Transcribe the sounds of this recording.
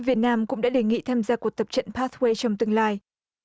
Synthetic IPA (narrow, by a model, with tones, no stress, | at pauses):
vi˨˩ət̚naː˧mkʊ̰˧˥ŋ͡mɗa̰ː˧˥ɗe˧˩ŋḭ˧˨t̪ʰaː˧mzaː˧ku˨˩ək̚t̪ə˨˩p̚t͡ɕə̰˧˨npaː˦˥t̪̚we˧jt͡ɕɔ˧wŋ͡mt̪ɨ˧əŋlaː˧j